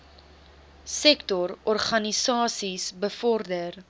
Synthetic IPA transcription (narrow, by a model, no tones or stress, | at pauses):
sɛktɔɾɔrχɐnisɑːsisbəfɔrdər